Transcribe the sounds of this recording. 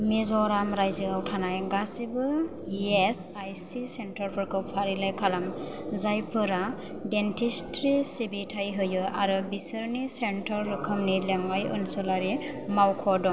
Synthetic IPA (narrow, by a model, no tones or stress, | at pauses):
mezɔɾamɾajziawtʰanajɡasibɯ | es | ajsisentʰɔɾpʰɔɾkʰɯwpʰaɾilajkʰalam | zajpʰɯɾa | dentʰistɾisibitʰajɦɯjɯʔaɾɯbisɯɾnisentʰɔɾːɯkʰɯmnilemɡajɯ̰nsɔlaɾi | mawkʰɔdɔ